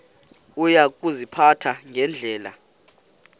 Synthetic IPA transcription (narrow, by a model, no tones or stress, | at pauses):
ujak̬ʼuzipʰatʰaŋʱɛnd͡ɮʱɛːla̰